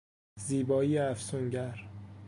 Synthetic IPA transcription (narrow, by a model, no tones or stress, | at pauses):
ziːbɒːiːjeæfsuŋɟæɾ